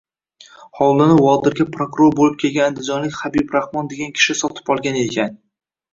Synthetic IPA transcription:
hɒwlˠɪnɪwɒd̪ɪɾɡʲapʰɾokʊɾo̞ɾbolɪp̚kʲʰe̞lɡʲanand̪ɪd͡ʒɒnlɪkʲhabibɾahmɒnd̪e̞ɡʲankʲʰɪ̥ʃɪsɒt̪ʰɪ̥pɒlˠɡʲane̞kʲʰan

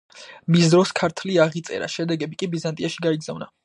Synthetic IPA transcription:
misd̪ɾɔskʰaɾt̪ʰliaʁit̪sʼɛ̰ɾa̰ʃɛd̪ɛɡɛbikʼibizant̪ʼiaʃiɡaiɡzavna

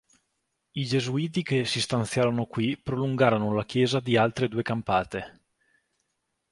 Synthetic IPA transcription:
id͡ʒezuiːt̪̬ikesist̪ant̪sjaːɾonokwipɾoluŋɡaːɾonolak̟jɛːzad̪ialt̪ɾed̪uːekampaːt̪e

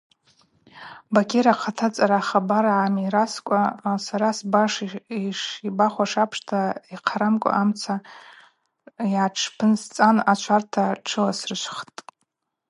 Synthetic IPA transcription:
bakʰʲeɾaqʰatʰat͡sʼaɾaχabaɾaʕamiɾaskʷʼasaɾasbaʂiʂibaχʷaʂapʰʂtʰaiqʰaɾamkʷʼa̰ʔamt͡sʰa | jʕaʈ͡ʂʰpʰɨnst͡sʼanat͡ʃʷʰartʰaʈ͡ʂʰɨlasrɨʃʷχtʼ

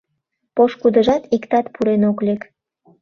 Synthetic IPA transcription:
poʃkud̪əʒɑt̪ikt̪ɑt̪pʰuɾenoklek

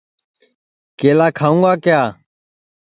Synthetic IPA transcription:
keːlaːkʰaːũːŋɡaːkɪjaː

